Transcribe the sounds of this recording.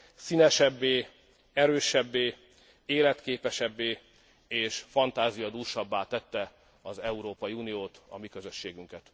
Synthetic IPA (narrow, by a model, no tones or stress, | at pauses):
sinɛʃɛbːeː | ɛɾøːʃɛbːeː | eːlɛt̪keːpɛʃɛbːeː | eːʃfɒnt̪aːzijɒd̪uːrʃɒbːaːt̪ɛt̪ːɛ | ɒzɛuɾoːpɒjiunijoːt̪ɒ̰mikø̞zø̞ʃːeːɡyŋkɛt̪